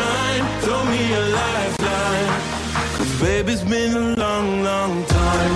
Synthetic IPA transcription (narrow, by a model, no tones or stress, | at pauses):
aɪɪ̃ntʰomiəlaɪftʰaɪ̃n | kʰʌzbeɪbizbɪ̃nəlɔ̃ŋlɔ̃ŋtʰãɪ̃m